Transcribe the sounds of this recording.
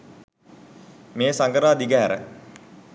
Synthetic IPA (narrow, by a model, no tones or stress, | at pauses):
meːsaŋɡəɾaːd̪iɡəɦæɾə̰